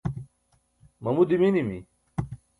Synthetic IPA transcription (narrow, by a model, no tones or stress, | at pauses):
mɐmud̪iminimi